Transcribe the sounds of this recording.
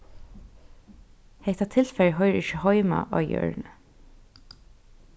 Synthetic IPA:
heɪt̪ɑt̪ʰɪlfɛɹɦœʏəɹɪçəhɔʏmɑ̰ʔɑ̰ːjœ̰ːɹn

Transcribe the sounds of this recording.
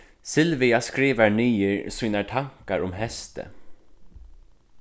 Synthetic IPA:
sɪlʋɪɑskɾiːʋəɳyːəɹsyːnəʈʰɑŋkɑɹʔʊmhɛst̪ə̰

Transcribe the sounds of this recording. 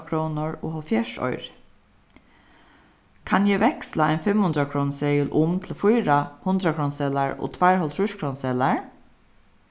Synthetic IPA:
kʰɾownʊɹo̰ːɦɔlfjɛʂɔ̰ʏɾ | kʰanjɛʋɛkslaajnfɪmhʊnd̪ɾakʰɾoːnsɛːjʊlʔʊmt̪ʰɪlfʊjɾahʊnd̪ɾakʰɾoːnsɛːlaɹo̰ːt̪ʰvajɹhɔlt̪ʰɾʊʂkʰɾoːnsɛːlaɹ

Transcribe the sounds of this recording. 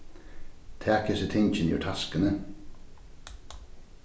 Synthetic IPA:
t̪ʰæːkəsət̪ʰɪŋçənjə̰ʈʰɑskənə

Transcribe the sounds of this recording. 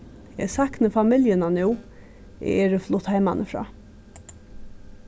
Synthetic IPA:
ɛ̰sɑknəfɑmɪljənɑnʉː | ʔɛ̰ʔeːɹəflʊt̪hæɪmɑnʔəfɾɑ̰ː

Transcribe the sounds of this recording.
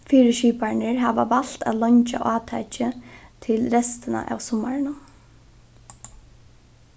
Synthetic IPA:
fiːɾɪʃiːpaɹɳɪɹɦaːʋaʋal̥t̪a̰ːlɔɲt͡ʃa̰ʔaːt̪ʰat͡ʃɪt̪ʰɪlɾɛst̪ɪna̰ʔa̰ːwsʊmːaɹnʊ

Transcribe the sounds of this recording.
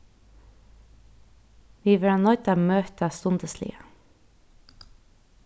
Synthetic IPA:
ʋiːʋəɹɑnɔʏt̪ɑmøːt̪əst̪ʊnd̪əslḭːə

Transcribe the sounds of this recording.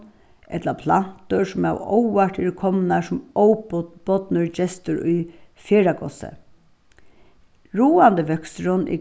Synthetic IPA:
ɛt̪lapʰlan̥t̪ʊsʊma̰wɔwʋaʈ̪ɪɾkʰɔmnasʊmɔwb̥ɔt̪nʊɹt͡ʃɛst̪ʊɾʊ̰jfeːɹakʰɔ̰sə̰ | ɹuːand̪əʋœkst̪ɾʊnʔɪ̰

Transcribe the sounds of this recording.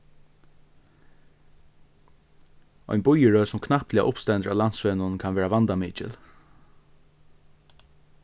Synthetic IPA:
ɔ̰jnbʊjəɹœːsʊmkʰnahplɪja̰ʔʊpst̪ɛnt̪əɹa̰lant̪svɛːnʊnkʰanʋɛːɹavant̪amiːt͡ʃɪ̰l

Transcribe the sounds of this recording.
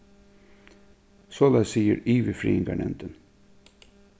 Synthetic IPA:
sɔlæsiːə̰ɾiːʋəfɾḭːɪŋɡa̰ɳɛ̰nt̪ən

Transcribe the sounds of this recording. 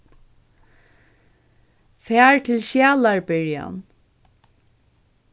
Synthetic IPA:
fæːɹt̪ʰɪlʃjæːlaɹbɪɹja̰n

